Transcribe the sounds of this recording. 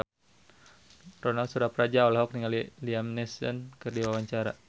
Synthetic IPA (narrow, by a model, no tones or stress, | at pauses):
rɔnalt̪sudahpəɾad͡ʒaɔlaɦɔk̚niŋaliliamnɛsənkɨrdiwawaɲt͡ʃaɾa̰